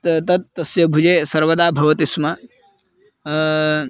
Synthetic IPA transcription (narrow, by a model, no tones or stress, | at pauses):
t̪t̪ɐt̪̚ːɐsjɐbʱud͡ʒeːsɐɾʋɐd̪aːbʱɐʋɐt̪ismɐ